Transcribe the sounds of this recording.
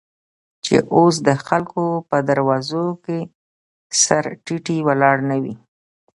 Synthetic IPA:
t͡ʃḛʔos̬d̪əxalkopəd̪aɾwɑzoke | saɾʈiʈiwalɑɽnawi

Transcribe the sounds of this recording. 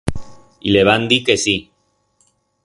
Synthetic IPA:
ileβand̪ikesi

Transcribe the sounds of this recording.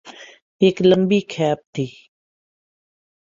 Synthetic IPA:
eːkləmbiːkʰɛːp̚t̪ʰiː

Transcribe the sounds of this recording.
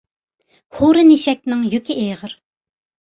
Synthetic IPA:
huɾɨneʃɛk̚ʲnɪŋjøkʲʰiʔeʁəɾ

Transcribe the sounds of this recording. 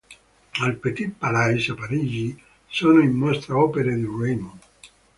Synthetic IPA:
alpet̪ipːalajsapaɾiːd͡ʒi | soːnoinːɔst̪ɾeɔːpeɾed̪iremo

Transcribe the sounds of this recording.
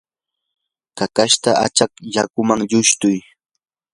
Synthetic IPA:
kakaʃt̪aʔa̰t͡ʃakjakʊmaŋʎʊʃt̪ʊj

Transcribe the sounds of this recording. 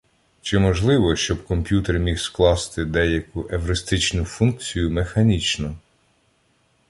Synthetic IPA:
t͡ʃɪmɔʒlˠɪʋɔʃt͡ʃɔbkɔmpʲjut̪ermʲixsklˠɑst̪ɪd̪ɛjɐkʊʔeʋɾɪst̪ɪt͡ʃnʊfunk̚t͡sʲijʊmexɐnʲit͡ʃnʊ

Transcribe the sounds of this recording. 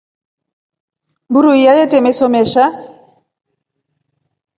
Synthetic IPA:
mbuɾuijajetemesɔmeʃa

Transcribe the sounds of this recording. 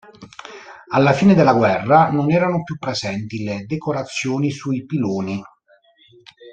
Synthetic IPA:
alːafiːned̪elːaɡwɛrːanonɛːɾanopjupːɾezɛnt̪iled̪ekoɾat̪sːjoːnisuipiloːni

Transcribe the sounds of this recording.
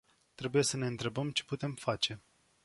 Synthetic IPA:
t̪ɾe̞buje̞səne̞ɨnt̪ɾe̞bəmt͡ʃe̞̥put̪e̞mfat͡ʃe̞

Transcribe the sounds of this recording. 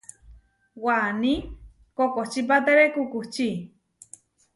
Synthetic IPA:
wani | kokot͡ʃip̬at̪eɾekukut͡ʃi

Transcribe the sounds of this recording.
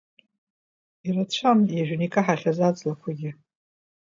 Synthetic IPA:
irat͡ɕʷʰamjaʒᶣnikʼaħaχʲazad͡zlakʷʰaɡʲɪ

